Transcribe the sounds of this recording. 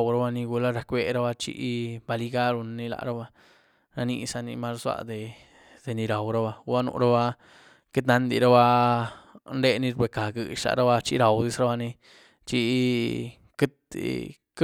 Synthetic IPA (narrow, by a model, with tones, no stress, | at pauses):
wɾa˦ba˧ni˧ɡu˧la˦ɾa˧kʷe˧ɾa˦ba˧t͡ʃḭ˦ʔba˧li˧ɡa˦ɾu˧n˧ni˧la̰˨ɾa˦ba˧ | ɾa˧ni˧sa˧nḭ˧ma˦lza̰˧d̪e˨ | d̪̥e˨ni˧ɾa˨wɾa˦ba˧ba˦nṵ˧ɾa˦ba˦ | ke˦t̪na˧nd̪ḭ˨ɾa˦ba˧ | nɾe˦ni˦˧ɾbe˨ka˨ɡɨ˨ʃa̰˨ɾa˦ba˧t͡ʃi˦ɾa˨wd̪i˦sɾa˦ba˧ni˧ | t͡ʃi˧ | ke˦t̪ | k